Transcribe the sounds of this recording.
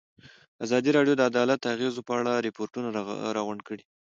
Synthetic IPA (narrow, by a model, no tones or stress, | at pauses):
azɑd̪iɾɑɖjod̪əad̪ɑlat̪̚d̪əaɣezopəaɽaɾɪpoɾʈunaɾɑɣʊɳɖkəɽi